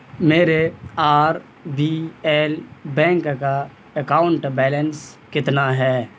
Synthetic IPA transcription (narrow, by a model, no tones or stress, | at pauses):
meːɾeaːɾ | biɛːlbɛ̃ːŋkka | əkaːʊɳʈbɛːləns | kɪt̪naɦɛː